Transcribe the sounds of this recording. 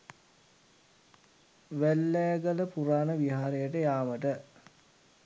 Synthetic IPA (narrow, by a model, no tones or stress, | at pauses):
ʋælːɛjəɡələpuɾaːnəʋiɦaːɾejəʈəjaːməʈə